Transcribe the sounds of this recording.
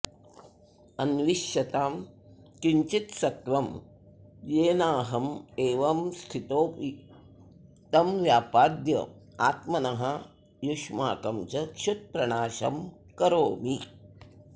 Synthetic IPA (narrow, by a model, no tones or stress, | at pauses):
ɐnʋiʃjɐt̪aːmkiɲt͡ʃit̪sɐt̪ʋɐm | jeːnaːɦɐmeːʋɐmst̪ʰit̪oːpi | t̪ɐmʋjaːpaːd̪jɐ̰ | aːt̪mɐnɐɦɐ | jukʂmaːkɐmt͡ʃɐkʃut̪̚pɾɐɳaːʃɐm | kɐɾoːmi